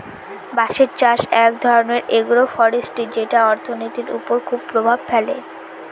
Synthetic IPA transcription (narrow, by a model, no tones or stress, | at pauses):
baʃeɾt͡ɕaʃɛk̚d̪ʱɔɾoneɾeɡuɾofɔɾesʈid͡ʑeʈaɔɾt̪ʰonit̪iɾṵpoɾkʰubpɾobʱab̚fɛle